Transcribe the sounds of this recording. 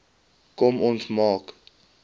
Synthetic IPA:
kɔmɔnsmɑːk

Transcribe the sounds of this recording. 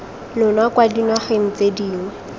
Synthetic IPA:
lʊnwakwadinwaχeŋ̩t͡sediːŋwɛ

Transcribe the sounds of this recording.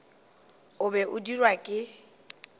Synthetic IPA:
ʊbɛʔʊdirwakʼɪ

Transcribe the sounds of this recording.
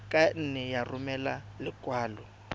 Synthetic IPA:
kʼan̩nɛjarʊmɛlalɪkʼwaːlɔ

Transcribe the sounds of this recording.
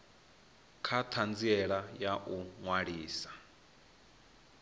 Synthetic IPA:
kʰat̪ʰand͡ziɛɺajaʔuŋwaɺiːsḁ

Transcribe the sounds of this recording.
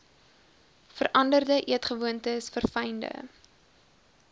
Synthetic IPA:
fəɾʔɐndərdəʔiətχəvuəntəsfərfɛjndə̰

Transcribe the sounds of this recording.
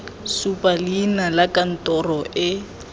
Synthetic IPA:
supʼalinalakʼan̩tʼɔrɔʔɪ

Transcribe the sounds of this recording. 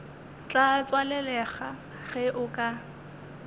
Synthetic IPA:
t͡ɬʼat͡swalɛlɛχa | ɣɛʔʊkʼa

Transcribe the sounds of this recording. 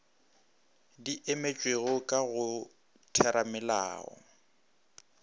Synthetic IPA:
diʔemet͡ʃʼweɣʊkʼaɣʊ | tʰɛɾamɛla̰ːɔ̰

